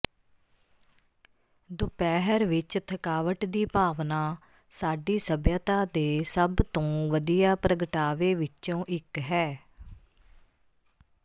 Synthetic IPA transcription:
d̪ʊpɛːɦəɾʋɪt͡ʃt̪ʰəkaːʋəʈd̪iːpaːʋnaː | saːɖiːsəbjət̪aːd̪eːsəbt̪õːʋəd̪ijaːpɾəɡəʈaːʋeːʋɪt͡ʃõːʔɪkɦɛː

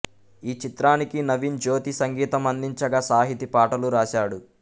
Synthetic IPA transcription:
iːt͡ʃit̪ɾaːnikinɐʋind͡ʒoːt̪isɐŋɡiːt̪ɐmɐnd̪iɲt͡ʃɐɡasaːɦit̪ipaːʈɐluɾaːʃaːɽu

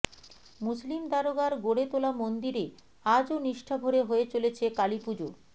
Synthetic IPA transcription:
muslimd̪aɾoɡaɾɡoɽet̪olamond̪iɾe | ad͡ʑoniʃʈʰabʱoɾeɦoet͡ɕolet͡ɕʰekalipud͡ʑo

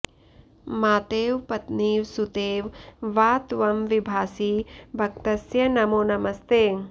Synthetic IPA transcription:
maːt̪eːʋpɐt̪niːʋsut̪eːʋʋaːt̪ʋɐmʋibʱaːsiːbʱɐk̚t̪ɐsjɐnɐmoːnɐmɐst̪eːŋ

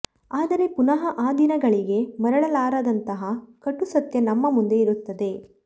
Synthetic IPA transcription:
aːd̪ɐɾe̞punɐɦɐʔaːd̪inɐɡɐɭiɡe̞mɐɾɐɽɐlaːɾɐd̪ɐnt̪ɐɦɐkɐʈːusɐt̪jɐnɐmːɐmund̪e̞iɾut̪ːɐd̪e̞

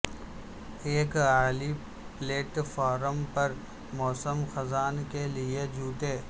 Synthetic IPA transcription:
eːkaːli | pleːʈfaːɾəmpɐɾ | mɔːsəmxɐzaːnkelied͡ʒʱuːʈeː

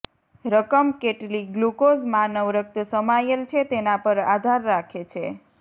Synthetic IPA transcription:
ɾəkəmkeʈliɡlukozmanəʋɾək̚t̪səmajelt͡ʃʰet̪enapəɾad̪ʱaɾːakʰet͡ʃʰe

